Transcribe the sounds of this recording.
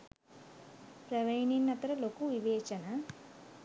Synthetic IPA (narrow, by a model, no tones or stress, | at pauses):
pɾɐʋɐjɳinːɐt̪ɐɾɐlokuʋiʋɛːt͡ʃɐnɐ